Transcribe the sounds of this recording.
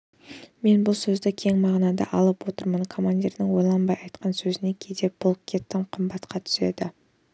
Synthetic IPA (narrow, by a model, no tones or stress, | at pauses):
me̞nbʊlˠsɵzd̪ɪkʲʰe̞ŋmɑʁnɑd̪ɑ̰ʔɑlˠəpwo̞t̪əɾmənkʰo̞manʲd̪ʲiɾnɪŋwo̞jlˠɑnbɑjɑjt̪qɑnsɵzɪne̞kʲʰe̞jd̪e̞b̥ʊlˠp̚kʲʰe̞t̪ːɪmqʰəmbɑt̪qɑt̪ʰʏ̥se̞̰d̪ɪ